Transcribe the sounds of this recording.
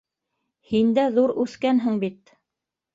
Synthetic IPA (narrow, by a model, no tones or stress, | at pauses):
hind̪æðuɾʉθkænɦɘŋbit̪